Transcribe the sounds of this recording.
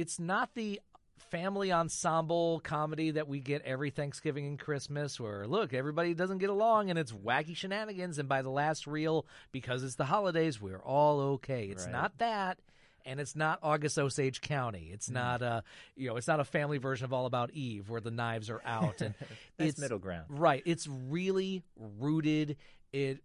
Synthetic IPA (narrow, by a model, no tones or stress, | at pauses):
ɨtsnət̪̚ðɨ | fæ̃mliə̃nsɑ̃mbl̩ˠkʰɑmɨɾiðɨt̚wiɡɛɾʔɛvɹiθæ̃ŋksɡ̥ɪvɪ̃ŋɨ̃nkʰɹ̥ɪsmɨswə˞lʊkɛvɹibɑɾidʌzə̃n̩ɡɛɾəlɔ̃ŋɨ̃ñɨtswækiʃɨnænɨɡɨ̃nzɨ̃nbaɪðəlæst̚ɹil̩ˠb̥ɨkʰʌzɨtsðəɦɑlˠədeɪzwɪɹʔɔlˠoʊkʰeɪɨsnət̪̚ðɨt̚ | ɨ̃nɨtsnəɾɑɡɨsoʊseɪd̥ʒ̥kʰãʊ̃ñḭɨtsnəɾʌjɨnoʊɨtsnəɾəfæ̃mlivɜ˞ʒɨ̃nʌvɔlˠəbaʊɾivwə˞ðɨnaɪvzə˞ʔaʊtɨ̃nɪtɪɾl̩ˠɡɹã̰ʊ̃nɹaɪt̚ɪtsɹɪlˠiɹuɾɪdɪt̚